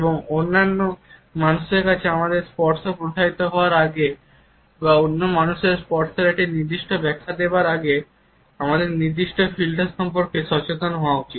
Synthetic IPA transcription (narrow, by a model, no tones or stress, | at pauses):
eboŋonːanːomanuʃeɾkat͡ɕʰeamad̪eɾspɔɾʈsopɾod̪ʰʱait̪oɦɔoaɾaɡe | baonːomanuʃeɾspɔɾʈsoɾɛʈiniɾd̪iʃʈobɛkʰːad̪ebaɾaɡe | amad̪eɾniɾd̪iʃʈofilʈoʃɔmpoɾkeʃɔt͡ɕet̪onɦɔoaut͡ɕit̪